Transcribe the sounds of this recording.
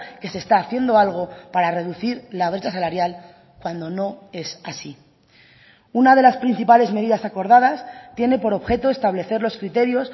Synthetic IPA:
ke̞se̞st̪aːθje̞nd̪o̞alɣ̞opaɾare̞ðuθiɾlaβ̞ɾet͡ʃasalaɾjal | kwand̪o̞no̞e̞sasi | unað̞e̞laspɾin̟θipale̞zme̞ð̞iðasako̞ɾðað̞ast̪je̞ne̞po̞ɾo̞βxe̞t̪o̞e̞st̪aβ̞le̞θe̞ɾlo̞skɾit̪e̞ɾjo̞s

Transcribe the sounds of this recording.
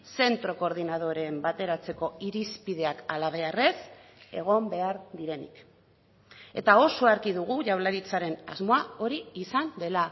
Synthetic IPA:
se̞nt̪ɾo̞ko̞ɾð̞inað̞o̞ɾe̞mbat̪e̞ɾat͡se̞ko̞iɾispið̞e̞akalaβ̞e̞are̞s | e̞̰ɣ̞o̞mbe̞aɾðiɾe̞nḭk | e̞̰t̪ao̞soaɾkiðuɣ̞uʝawlaɾit͡saɾe̞na̰zmo̞ao̞ɾiːsand̪e̞la

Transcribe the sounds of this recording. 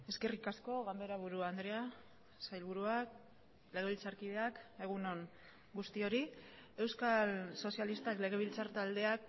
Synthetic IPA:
e̞ske̞rikasko̞ɣambe̞ɾaβuɾuand̪ɾea | sajlβuɾuak | le̞ɣ̞e̞βilt͡saɾkið̞e̞ake̞ɣuno̞ŋ | ɡust̪io̞ɾie̞wskalso̞sialist̪akle̞ɣ̞e̞β̞ilt͡saɾt̪ald̪e̞ak

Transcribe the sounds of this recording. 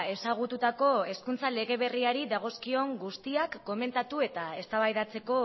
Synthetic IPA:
e̞saɣ̞ut̪ut̪ako̞eskunt͡sale̞ɣ̞e̞β̞e̞riaɾiðaɣ̞o̞skio̞ŋɡust̪iakːo̞me̞nt̪at̪ue̞t̪ae̞st̪aβajðat͡se̞ko̞

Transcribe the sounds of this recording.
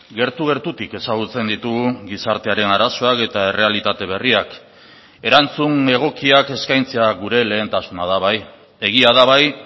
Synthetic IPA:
ɡe̞ɾt̪uɣe̞ɾt̪ut̪ike̞saɣ̞ut͡se̞nd̪it̪uɣɡisaɾt̪e̞aɾe̞naɾaso̞ake̞t̪ae̞re̞alit̪at̪e̞β̞e̞riak | e̞ɾant͡suŋe̞ɣ̞o̞kiake̞skajnt͡se̞aɣuɾe̞le̞ːnt̪asunað̞aβaj | e̞ɣiaðaβ̞aj

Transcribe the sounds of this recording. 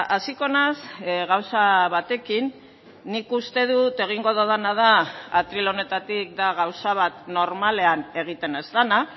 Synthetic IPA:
asiko̞nasɣawsaβat̪e̞kinː | ikust̪e̞ðut̪e̞ɣ̞iŋɡo̞ðoð̞anað̞aat̪ɾilo̞ne̞t̪at̪ik̚d̪aɣawsaβ̞at̪no̞ɾmale̞ane̞ɣ̞it̪e̞nezt̪ana

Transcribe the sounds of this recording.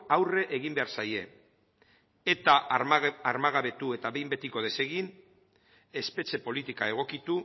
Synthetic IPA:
awre̞ʔeɣimbe̞aɾsaje̞ | et̪aaɾmaɣaβe̞t̪ue̞t̪aβe̞jmbe̞t̪iko̞ð̞e̞se̞ɣin | e̞spe̞t͡ʃe̞po̞lit̪ikae̞ɣ̞o̞kit̪u

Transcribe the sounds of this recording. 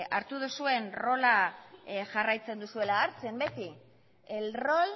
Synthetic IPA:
aɾt̪uð̞usue̞nro̞la | ʝarajt͡se̞nd̪usue̞laːɾt͡se̞mbe̞t̪i | elro̞l

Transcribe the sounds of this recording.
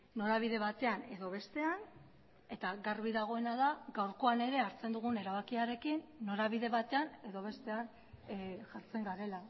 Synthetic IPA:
no̞ɾaβ̞iðe̞βat̪e̞ane̞ðo̞βe̞st̪e̞an | e̞t̪aɡarβiðaɣ̞o̞e̞naðaɡawɾko̞ane̞ɾe̞aɾt͡se̞nd̪uɣ̞une̞ɾaβakiaɾe̞kinːo̞ɾaβiðe̞βat̪e̞ane̞ðo̞βe̞st̪e̞an | ʝaɾt͡se̞ŋɡaɾe̞la

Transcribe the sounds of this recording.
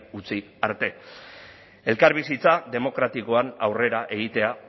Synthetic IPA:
ut͡si | aɾt̪e̞ | e̞lkaɾβ̞isit͡saðe̞mo̞kɾat̪iko̞anawre̞ɾaʔe̞ɣ̞it̪e̞a

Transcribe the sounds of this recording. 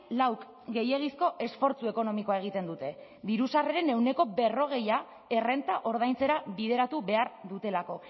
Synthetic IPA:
lawk | ɡe̞je̞ɣ̞isko̞ʔe̞sfo̞ɾt͡sue̞ko̞no̞miko̞ae̞ɣ̞it̪end̪ut̪e̞ | ðiɾusareɾe̞ne̞wne̞ko̞be̞ro̞ɣ̞e̞ja | e̞re̞nt̪aʔo̞ɾðajnt͡se̞ɾaβið̞e̞ɾat̪uβe̞aɾðut̪e̞lako̞

